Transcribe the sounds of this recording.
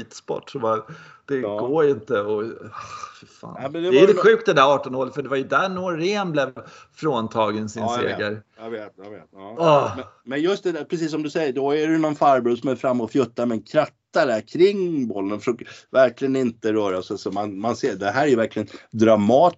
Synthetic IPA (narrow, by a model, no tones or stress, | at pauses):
iːt̪spɔ̰ʈːʂɔva | d̪̥ɛɡoːɾɪnt̪əɔ | fɪɾfa̰ːnɛmɛnd̪ɛvɛanɧʉ̟ːk̚t̪̚d̪ɛd̪æɾɑːʈɔnhoːɾət̪fœɖɛvajɵd̪ænoɾːeːnblɛvfɾoːnt̪ʰɑːɡənsɪnsḛːɡəɾjɑveːt̪jɑveːt̪ɔːɔmɛmɛnjɵst̪̚d̪ɛd̪æɾpɾɛs̬iːs̬ːɔmd̪ɵsɛjːəɖɔæɛjnɔnfaɾbuːsɔmɛɾfɾamːɔfjɵt̪ːaɾmɛnkʰɾat̪ːaɖæɾkʰɾɪŋːbɔlːənfʂøːkəvæɾklɪɡənɪnt̪əɾœːɾasɛsɔmanmanseːd̪ɛɦæːɾæjɵvæɾklɪɡənd̪ɾamɑː